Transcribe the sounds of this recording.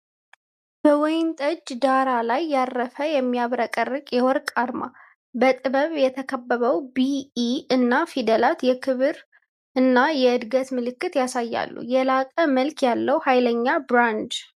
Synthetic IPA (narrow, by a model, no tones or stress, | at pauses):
b̥əwɔjɪnt̪ʼəd͡ʒːd̪aɾalajːarːəfəjɛmːijaβɾəkʼərːɨkʼjɛwɔɾkʼaɾma̰ | bət̪ʼɨβəβjɛt̪ʰəkʰəbːəβəwbiːɨnːafid̪əlat̪jɛkʰɨβɨɾ | ʔɨnːajɛɨd̪ɡət̪mɨlɨkːɨt̪jasajːa̰lːṵjɛlakʼəməlkjalːəwhajləɲːabɾand̪